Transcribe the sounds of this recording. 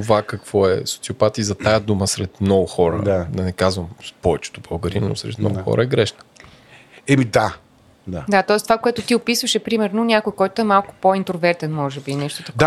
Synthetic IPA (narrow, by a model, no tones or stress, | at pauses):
t̪ovakɐkv̥ɔɛ̰so̥t̪siopat̪izɐt̪ajəd̪uməsɾɛt̪mnɔɡʊxɔɾə̰d̪ad̪ɐnɛkazvəmpɔvɛt͡ʃɛ̥t̪obɐɡɐɾinno̰sɾɛ̰t̪mnɔ̰ɡʊxɔ̰ɾəɛɡɾɛʃnə̥ | ɛmid̪a | d̪ad̪at̪ɔɛst̪ovakoɛt̪ʊt̪iopisvəʃɛpɾimɛɾnonʲakojkɔjt̪oɛmalˠkʊ̥point̪ɾovɛɾt̪ɛnmɔʒɛbinɛʃt̪ot̪ɐkd̪a